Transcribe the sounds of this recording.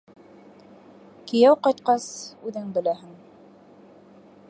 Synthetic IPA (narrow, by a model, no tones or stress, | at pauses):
kĭjæwqɑjt̪̚qɑsʉðɘŋbɘ̆læɦɘŋ